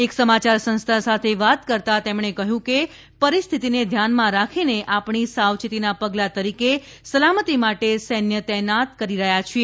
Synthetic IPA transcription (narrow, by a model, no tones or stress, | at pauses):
eksəmat͡ʃaɾsə̃nst̪ʰasat̪ʰeʋat̪kəɾt̪at̪emɳekəɦjũke | pəɾist̪ʰit̪ined̪ʱjanmãɾakʰineʔapɳisaʋt͡ʃit̪inapəɡlat̪əɾike | səlamət̪imaʈesɛnjət̪ɛɦnat̪kəɾiɾəɦjat͡ʃʰie